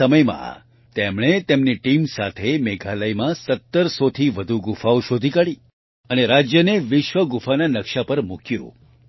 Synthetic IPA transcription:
əməjmã̰ | t̪emɽ̃et̪emniʈimsat̪ʰemeɡʱaləjmãsət̪ːəɾsot̪ʰiʋəd̪ʱuɡufauʃod̪ʱikaɽi | əneɾad͡ʒjəneʋɪʃʋəɡufʰananəkʃapəɾmukjṵ̃

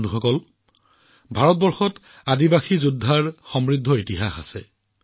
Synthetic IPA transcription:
nuxɔkɔl | bʱaɹɔt̚bɔɹxɔt | adibaxizudʱːaɹxɔmɹidʱːɔitiɦaxa̰sɛ̰

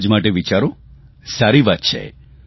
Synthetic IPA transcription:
d͡ʒmaʈeʋit͡ʃaɾo | saɾiʋat̪̚t͡ʃʰḛ

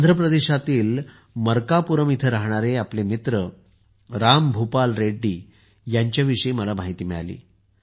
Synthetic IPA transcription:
nd̪ʱɾəpɾəd̪eɕat̪iːl | məɾkapuɾəmit̪ʰəɾaɦɳ̃aɾeaplemit̪ɾə | ɾambʱupalɾeɖːiː | jaɲt͡ɕjaʋiʂəiməlamaɦit̪iːmɛɭalḭː

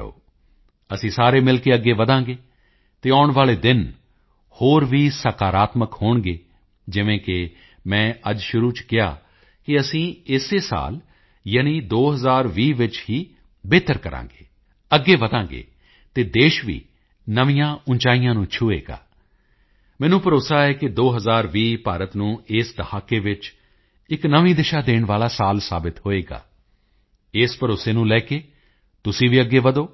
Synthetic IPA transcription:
o̰ː | əsĩːsaːɾeːmɪlkeːəɡːeːʋəd̪ãːŋɡeː | t̪eːaːʊɳʋaːleːd̪ɪn | hoːɾʋiːsəkaːɾaːt̪məkhoːɳɡeː | d͡ʒɪʋẽːkɪ | mɛ̃ːʔəd͡ʒʃʊɾuːt͡ʃkɪa̰ː | kɪəsĩːɪseːsa̰ːl | jəːniːd̪oːɦəzaːɾʋiːʋɪt͡ʃɦiː | beːt̪əɾkəɾʔã̰ːŋɡeː | əɡːeːʋəd̪ãːŋɡḛː | t̪eːd̪eːʃʋḭː | nəʋijãːʊnt͡ʃaːijãːnũːt͡ʃʰʊːḛːɡa̰ː | mɛ̃ːnũːpəɾoːsaːɛːkɪd̪oːɦəzaːɾʋiːpaːɾət̪nũːɪsd̪əhaːkeːʋɪt͡ʃ | ɪknəʋĩːd̪ɪʃaːd̪eːɳʋaːlaːsaːlsaːbɪt̪ɦoːeːɡa̰ː | ɪːspəɾoːseːnũːlɛːkeː | t̪ʊsĩːʋiːəɡːeːʋəd̪oː

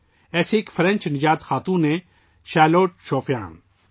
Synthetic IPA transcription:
ɛːseːkfʰəɾɐ̃nʲt͡ʃnɪd͡ʒaːt̪xaːt̪ũːnẽ | ʃaːloːʈ̚t͡ʃʰoːpʰjã̰ːn

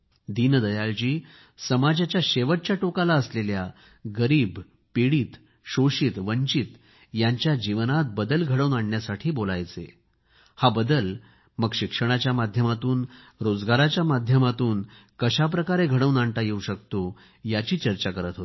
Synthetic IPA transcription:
d̪ind̪əjald͡ʑiː | səmad͡ʑat͡ɕjaɕeʋəʈ̚t͡ɕjaʈokalaəslelja | ɡəɾiːb | piɽiːt̪ | ɕoɕit̪ʋəɲt͡ɕit̪ | jaɲt͡ɕjad͡ʑiʋnat̪̚bəd̪əlɡʱəɽəwnaɳːjasaʈʰiːbolajt͡se | habəd̪əl | məɡɕikʂəɽ̃at͡ɕjamad̪ʱjəmat̪uːn | ɾod͡zɡaɾat͡ɕjamad̪ʱjəmat̪uːnkəɕap̬ɾəkaɾeɡʱəɽəʋnaɳʈ̪ajeuɕəkt̪o | jat͡ɕiːt͡ɕəɾt͡ɕakəɾət̪ɦot̪

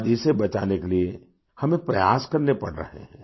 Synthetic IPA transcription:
d͡ʒisebɐt͡ʃa̰ːnekelie | hɐmẽpɾɐjaːskɐɾnepɐɽɾɐ̰ɦḛɦɛ̰̃ː

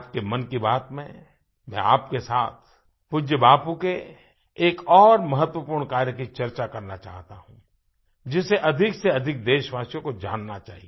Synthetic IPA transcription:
p̚kemɐnkibaːt̪mḛ̃ | mɛ̰̃aːpkesaːt̪ʰ | pʊd͡ʒəbaːpuke | eːkɔːɾmɐɦət̪wəpuːɾɳkaːɾjəkit͡ʃɐɾt͡ʃakɐɾnat͡ʃa̰ːɦt̪aɦũ | d͡ʒɪseʔɐd̪ʱɪkseɐd̪ʱɪk̚d̪eːʃʋaːsijõkod͡ʒa̰ːnːat͡ʃa̰ːɦie

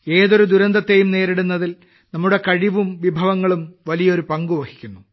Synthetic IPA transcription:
e̞ːðo̞ɾud̪uɾɐnd̪ɐt̪ːe̞jumne̞ːɾiɽunːɐðil | nɐmːuɽe̞kɐɻiʋumʋibʱɐʋɐŋːɐɭumʋɐlijɐo̞ɾupɐŋɡuʋɐhikʲːunːu

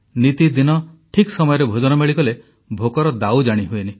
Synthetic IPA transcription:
nit̪id̪inɔʈʰiksɔmɔjɔɾebʱod͡ʒɔnɔmeɭikɔle | bʱokɔɾɔd̪awd͡ʒaɽ̃iɦueni

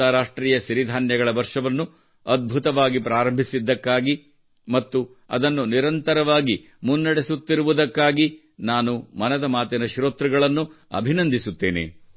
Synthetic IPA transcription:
ɐɾaːʂʈɾiːjɐʃiɾid̪ʱaːnjɐɡɐɭɐʋɐɾʂɐʋɐnːu | ɐd̪̚bʱut̪ɐʋaːɡipɾaːɾɐmbʱisid̪ːɐkːaːɡi | mɐt̪ːu | ɐ̰d̪ɐnːuniɾɐnt̪ɐɾɐʋaːɡi | munːɐɽesut̪ːiɾuʋud̪ɐkːaːɡi | naːnumɐnɐd̪ɐmaːt̪inɐʃɾoːt̪ɾɐɡɐɭɐnːu | ɐ̰bʱinɐnd̪ʱisut̪ːḛːnḛ

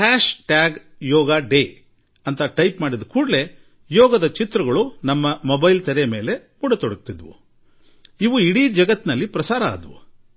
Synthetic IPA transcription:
kaːʃʈaːɡ | jɔːɡaːɖeː | ɐnt̪ɐʈɐjpmaːɽid̪ukuːɽle̞ | jɔːɡɐd̪ɐt͡ʃit̪ɾɐɡɐɭunɐmːɐmobɐjlt̪ɐɾejɐme̞ːle̞ | muːɽɐt̪ɔɽɐk̚t̪id̪ʋṵ | iʋuiɽiːd͡ʒɐɡɐt̪ːnɐlːipɾɐsaːɾɐa̰ːd̪ʋṵ

